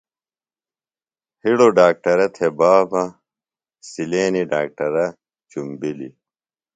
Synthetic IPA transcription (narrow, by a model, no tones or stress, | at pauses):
hiɽoɖaːk̚ʈɐɾɐt̪ʰebaːbɐ | sileːniɖaːk̚ʈɐɾɐ | t͡ɕumbilḭ